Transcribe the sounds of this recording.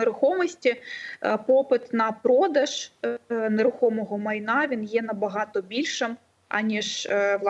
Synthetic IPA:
ɾʊxɔmɔsʲtʲipɔpɪt̪nɐpɾɔd̪ɐʒ̥ | neɾʊxɔmɔɦɔmɐjnɑʋʲinjɛnɐbɐɦɑt̪ɔbʲilʲʃɪm | ɐ̰nʲiʒʋ̪ˠ

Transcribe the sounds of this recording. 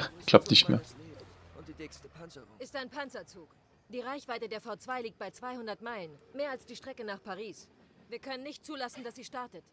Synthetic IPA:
ɡ̥laʊpnɪçtmḛːɐ | ɪstaɪnpʰant͡sɐt͡suːk | d̥iːʁaɪçv̥aɪtədeːɐfaʊt͡sv̥aɪliːk̚t̚b̥aɪt͡sv̥aɪhʊndɐtmaɪlənmeːɐalsd̥iːʃtʁ̥ɛkənaːχpʰaʁiːs | viːɐkʰœnənːɪçt̚t͡suːlasn̩d̥asz̥iːʃtaɐtət

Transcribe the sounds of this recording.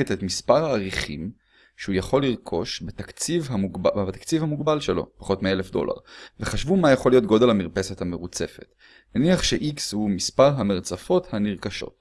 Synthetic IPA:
et̪et̪mispaʁhaːʁiχḭm | ʃehujaχo̞liʁkʰo̞ʃbet̪akt͡sivɦamuɡbt̪akt͡sivhamuɡbalʃelo̞̰paχo̞t̪meelefd̪o̞̰la̰ʁveχaʃvumajaχo̞lijo̞t̪ɡo̞d̪elhamiʁpesethameʁut͡se̞fe̞t̪ | naniaχʃeʔikshumispaʁɦameʁt͡safo̞t̪haniʁkaʃo̞̰t̪

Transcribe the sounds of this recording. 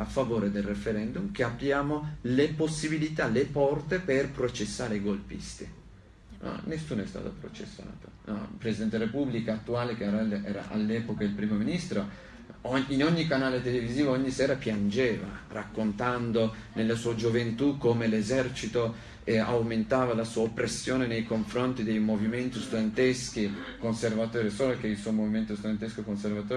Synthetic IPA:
afːavoːɾed̪elrefeɾɛnd̪umkeabjaːmoleposːibilit̪alepɔrt̪eperpɾot͡ʃesːaːɾeɡolpḭst̪i | ɔ̰nesːuːnoɛst̪a̰ːt̪opɾo̰t͡ʃḛsːa̰ːt̪o̥nɔpɾesid̪ɛnt̪elaɾepublikaat̪ːuaːlekeɛːɾaʔɛːɾa̰ʔa̰lːɛːpokailpɾiːmominist̪ɾo | oinoɲːikanaːlet̪eleviziːvooɲːisɛːɾapjand͡ʒeːva̰rakːont̪and̪onelːasuːad͡ʒovent̪ukːomelezɛrt͡ʃit̪o | a̰wment̪aːvalasuːaopɾesːjoːnenejkoɱfɾont̪id̪ejmoviment̪ist̪ud̪ent̪esk̟i | konservat̪oːɾesoːlkeilsuomoviment̪ost̪ud̪ent̪eskokonservat̪oː

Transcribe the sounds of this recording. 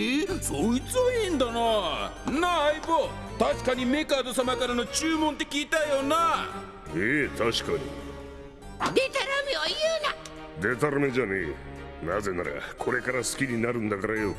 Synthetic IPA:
esoit͡sɨind̪ana | naibo | t̪aɕi̥kaɲ̟ime̞kaːd̪o̞samakaɾano̞t͡ɕɨːmõnt̪̬e̞kʲiːt̪aijona | eːt̪aɕi̥kaɲḭ | d̪et̪aɾamʲiojɯna | d̪e̞t̪aɾamed͡ʑanḛ | naze̞na̰ɾa̰kʰo̞ɾe̞kaɾasɨ̥kʲiɲinaɾɯ̟̃nd̪akaɾajo

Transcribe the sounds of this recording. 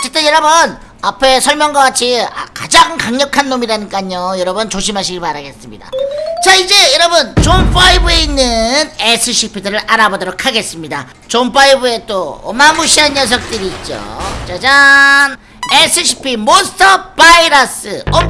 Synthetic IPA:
ʌt͡ɕʰːet͈ejʌɾʌbʌn | apʰe̞sʰʌɭmjʌŋɡwaɡat͡ɕʰia̰kad͡ʑaŋkaŋɲʌkʰanːomiɾanɯk͈aɲojʌɾʌbɯnt͡ɕoɕʰimɦaɕ̬ʰiɡiɭpaɾaɡe̞s͈ɯmɲida̰t͡ɕaid͡ʑe̞jʌɾʌbɯnt͡ɕomp͈aibɯe̞inːɯnesʰɯɕʰipʰidɯɾɯɾaɾabodʌɾokʰaɡe̞s͈ɯmɲida | t͡ɕomp͈aibue̞t͈oʌ̰mamuɕʰianjʌs̬ʰʌk̚t͈ɯɾiːt̚t͡ɕ͈o̰t͡ɕad͡ʑan | e̞sʰɯɕʰi̥pʰimostʰʌpaiɾʌs͈ɯo

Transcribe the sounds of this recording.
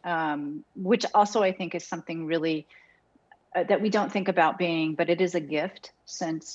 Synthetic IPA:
ʌ̃mwɨt͡ʃɔlˠsoʊaɪθɪ̃ŋkɨz̥sʌ̃mθɪ̃ŋɹɪlˠi | ʌðɨʔ̚widõʊ̃nθɪ̃ŋkɨbaʊt̚b̥iɪ̃ŋbʌɾɨɾɨzɨɡɪft | sɪ̃ns

